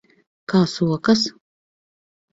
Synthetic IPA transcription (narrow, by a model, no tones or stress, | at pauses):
kaːsuɔkɐs